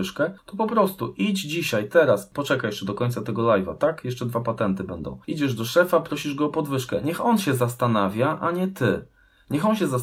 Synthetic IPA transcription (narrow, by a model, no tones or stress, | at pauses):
ʂkɛt̪ɔpɔpɾɔst̪uʔid͡ʑd͡ʑiɕajt̪ɛɾaspɔt͡ʂɛkajɛʂt͡ʂɛd̪ɔkɔɲʲt̪sat̪ɛɡɔlajva̰t̪akjɛʂt͡ʂɛd̪vapat̪ɛnt̪ɘbɛnd̪ɔ̰̃w̃id͡ʑɛʐd̪ɔʂɛfapɾɔɕiʐɡɔːpɔd̪vɘʂkɛ̰ɲɛxɔnɕɛzast̪anavʲjaʔaɲɛt̪ɘ | ɲɛxɔnɕɛza